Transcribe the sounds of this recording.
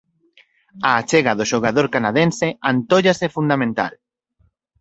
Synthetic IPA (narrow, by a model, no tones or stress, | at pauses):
aːt͡ʃeɣaðoʃoɣ̞aðoɾkanaðenseant̪oʎasefund̪amẽnt̪a̰l